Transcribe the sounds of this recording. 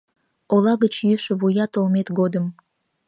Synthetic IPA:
olɑɣət͡ɕjyʃəβujɑt̪olmet̪ɡod̪əm

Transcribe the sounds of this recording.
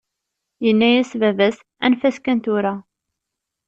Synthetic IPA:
jənːæjæsvævæs | æ̰nfæskænt̪ʊɾa

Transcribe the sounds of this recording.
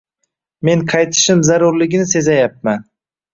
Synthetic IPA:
me̞ŋqʰɑjt̪ʰɪ̥ʃɪmzaɾʊɾlɪɡʲɪnɪse̞zajap̚man

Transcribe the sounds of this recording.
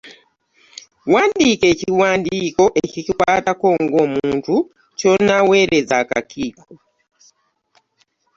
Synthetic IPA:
waːndikeciwaːndiko̞ʔecicikwatakoːŋɡomuuːntu | t͡ʃonaweɾezaka̰kʰiːkʰo

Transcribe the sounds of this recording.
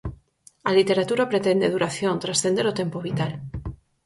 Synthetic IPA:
alit̪eɾat̪uɾapɾet̪end̪eðuɾaθjõnt̪ɾasθend̪eɾot̪empoβit̪al

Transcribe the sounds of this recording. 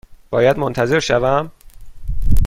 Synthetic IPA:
b̥ɒːjæd̪mont̪ʰæze̞ɾʃævæm

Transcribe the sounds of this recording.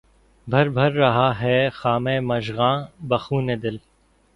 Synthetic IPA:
bʱɐɾbʱɐɾːɐɦaɦɛːxaːmẽːmɐʃɣãːbɐxuːned̪ɪl

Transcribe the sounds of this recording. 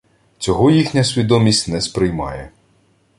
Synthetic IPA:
t͡sʲɔɦɔjixnʲɐsʲʋʲid̪ɔmʲisʲtʲnɛspɾɪjmɑ̰jɛ

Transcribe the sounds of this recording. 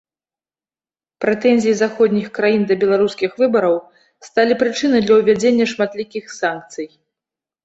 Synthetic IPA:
pɾɛt̪ɛnʲzʲijizaxɔd̪ʲnʲixkɾajind̪ɐbʲɛlˠaɾuskʲixvɨbɐɾɐw | st̪alʲipɾɨt͡ʂɨnɨjd̪lʲɐwvʲad͡zʲenʲːɐʂmat̪lʲikʲixsank̚t̪sɨj

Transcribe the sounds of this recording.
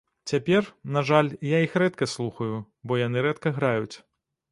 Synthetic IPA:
t͡sʲapʲɛrnaʐalʲjaixrɛt̪kɐslˠuxɐju | bɔjanɨɾɛt̪kɐɣɾajut͡sʲ

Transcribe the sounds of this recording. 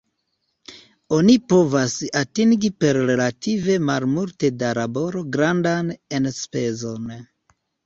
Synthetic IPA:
o̞nipo̞vasatiŋɡipe̞ɾɾe̞lative̞malmulte̞daɾabo̞ɾo̞ɡɾandane̞nspe̞zo̞n

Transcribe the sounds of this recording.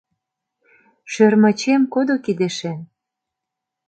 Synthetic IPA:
ʃørmɤ̆t͡ɕemkod̪okid̪eʃe

